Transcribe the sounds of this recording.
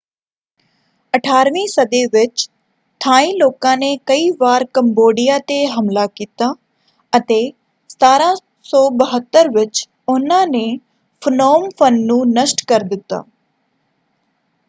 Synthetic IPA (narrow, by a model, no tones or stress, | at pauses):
əʈʰaːɾʋĩsɐd̪eʋɪt͡ʃ | t̪ʰaːĩloːkãːnekɐiʋaːɾkɐmboːɖijaːt̪eɦɐmlakiːt̪aː | ɐt̪e | st̪aːɾã | sɔːbəɦət̪ːəɾʋɪt͡ʃ | ʊnãːne | fʰʊnoːmfʰənːũːnəsʈkɐɾd̪ɪt̪ːa̰ː